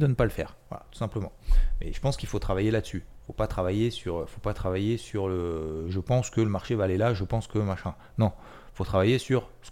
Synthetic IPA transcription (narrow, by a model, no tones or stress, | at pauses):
d̪ənəpaləfɛ̰ːʁvwa̰la̰t̪u̥sɛ̃pləmɑ̰̃mɛ̰ʒ̥əpɑ̃skʲilfot̪χavajelad̪əsyfopat̪χavajesyʁifopat̪χavajesyʁləʒəpɑ̃skələmaʁʃevaːlelaʒəpɑ̃skəmaʃɛ̃ | nɔ̃ | ifot̪χavajesyʁ | sə